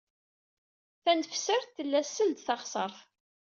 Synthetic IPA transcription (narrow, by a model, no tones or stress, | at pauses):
θænfsəɾθθəlːæsːəld̪θɑχsˤəɾˤθ